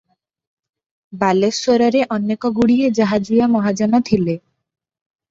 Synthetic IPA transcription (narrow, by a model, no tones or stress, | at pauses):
balesoɾɔɾeʔɔnːekɔɡuɽied͡ʒaɦad͡ʒujamɔɦad͡ʒanɔt̪ʰile